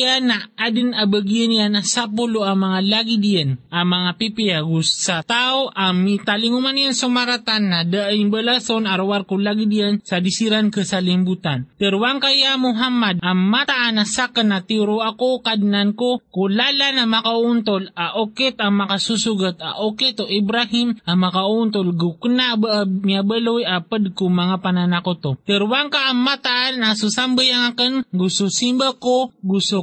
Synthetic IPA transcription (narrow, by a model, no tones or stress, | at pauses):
anaad̪ɪnabəɡijənijanasap̬ʊloaŋmɐŋalaɡid̪ijanʔamɐŋapipiaɡussat̪aoʔamit̪alɪŋumanjansʊmaɾat̪anːad̪aʔŋbəlasonaɾowaɾkʊlaɡid̪ijansad̪isiɾankəsalɪmbut̪ant̪ɛɾwaŋkajamʊɦamad̪̚aŋmat̪aʔanasakanat̪iɾoakokad̪nankokulalanamakaunt̪olaʔokit̪aŋmakasusuɡət̪a̰ʔokit̪oʔibɾahimamakaunt̪̬olɡuknabmiabəlojapəd̪̚komaŋapananakot̪ot̪əɾwaŋkaʔːŋmat̪aʔanasusambəjaŋakənɡususimbakoɡusu